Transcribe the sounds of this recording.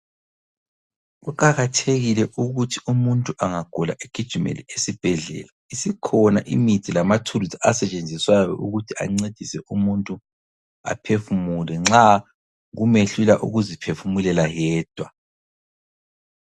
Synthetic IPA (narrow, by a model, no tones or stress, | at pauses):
ɣukʰʼaɣatʰeɣilɛʔuɣutʰiumuntʼuaŋaɡ̥ʱɔla̰ʔeɡ̥ʱi̥ʒ̥ʱimḛlesib̥ʱɛɮɛ̰ːlaisikʰɔnaʔḭmid̥ʱilamatʰuluzaasɛt͡ʃʼend͡zʱiswajɔ̰ʔuɣutʰia̰ŋ͡ǀed̥ʱisɛʔumuntʼu | a̰pʰefumulɛŋ͡ǁa | ɣumeɬulaʔṵɣuzipʰefumulɛlajɛːd̥ʱwa